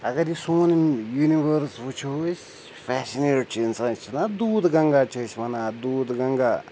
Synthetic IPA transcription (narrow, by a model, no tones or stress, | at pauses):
ɐɡɐɾisoːnimjuniʋəɾsʋut͡ʃʰosʲ | fɛːsineːt͡ʃʰinsãːt͡ʃʰinad̪uːd̪ɡɐŋɡaːt͡ʃʰəsʲmɐnaːd̪uːd̪ɡɐŋɡaː